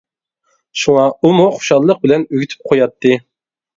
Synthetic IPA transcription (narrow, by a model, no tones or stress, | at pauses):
ʃuŋɑumuχʰʊ̥ʃɑlˠːəq̚bɪlɛnyɡʲyt̪ʰy̥p̚qʰojɑt̪ʰːɨ